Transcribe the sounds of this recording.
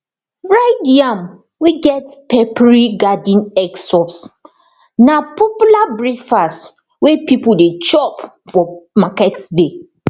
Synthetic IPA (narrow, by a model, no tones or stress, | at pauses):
ɹadiãm | wiɡɛtpɛpɹiɡadĩnɛksɔps | napɔpjulabɹifas | wepipuldet͡ʃɔp | fɔmakɛtde